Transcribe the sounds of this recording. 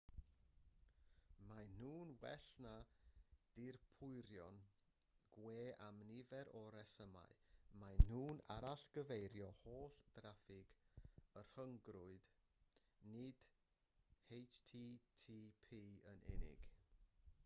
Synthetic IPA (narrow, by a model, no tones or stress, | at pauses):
man̥uːnwɛ̰ɬna | d̥ɪrpʰʊɨɾjɔn | ɡ̥weːʔamnɪvɛɾɔɾɛsəma̰ɨman̥uːna̰ɾaɬɡ̥əvejɾjɔhoːɬd̥rafɪɡ̥ər̥həŋɡɾʊɨd̥ | nɪd̥ | hejt͡ʃtʰitʰipʰiːənɛ̰nɪ̰ɡ̥